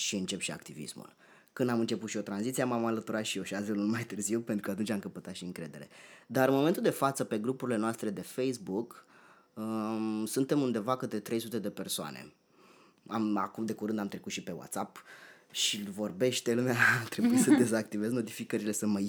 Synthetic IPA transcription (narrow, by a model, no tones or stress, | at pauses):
ʃiɨnt͡ʃe̞pʃia̰kt̪ivḭsmṵl | kɨnd̪amɨnt͡ʃe̞put̪ʃio̞t̪ɾanzit̪siemamalət̪uɾat̪ʃijo̞ʃiat̪velunmajt̪ɨrziwpe̞nt̪ɾukəat̪unʲt͡ʃʲamkəpət̪at̪ʃiɨŋkɾe̞d̪e̞ɾe̞̰d̪aɾɨnmo̞ment̪uld̪efat̪səpe̞ɡɾupuɾile̞noast̪ɾe̞d̪e̞fejsbuk | sunt̪e̞mund̪e̞vakət̪et̪ɾe̞jsut̪e̞d̪e̞pe̞rsoa̰nʔḛ | amakumd̪e̞kuɾɨnd̪amt̪ɾe̞kut̪ʃipe̞wa̰t̪sap | ʃilvo̞rbe̞ʃt̪elumeat̪ɾe̞bujisəd̪e̞zak̚t̪ive̞zno̞t̪ifikəɾile̞səmə